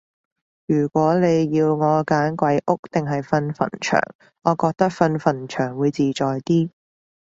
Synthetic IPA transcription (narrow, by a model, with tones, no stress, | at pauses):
jyː˨˩kʷɔː˨˥ne˨˧jjiː˧wŋɔː˨˧kaː˨˥nkʷɐ˨˥jʔʊ˥k̚t̪ɪ˨ŋɦɐ˨jfɐ˧nfɐ̰˨˩nt͡ʃʰœ̰ː˨˩ŋ | ɔː˨˧kɔː˧k̚t̪ɐ˥k̚fɐ˧nfɐ˨˩nt͡ʃʰœː˨˩ŋwuː˨˧jt͡siː˨t͡ʃɔː˨jt̪iː˥